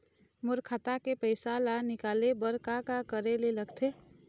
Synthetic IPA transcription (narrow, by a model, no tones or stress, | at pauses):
mʊɾkʰat̪akepəɪsalanɪkaːlebəɾkakakəɾeleləɡt̪ʰe